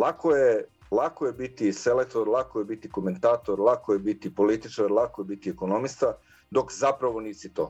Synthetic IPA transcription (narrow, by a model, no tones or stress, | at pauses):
lˠakoje | lˠakojebit̪iselek̚t̪oɾlˠakojebit̪ikome̞nt̪aːt̪oɾlˠakojebit̪ipolit̪it͡ʃaɾlˠakojebit̪iekonomist̪a | d̪o̞kzapɾaʋo̞niːsit̪o̰ː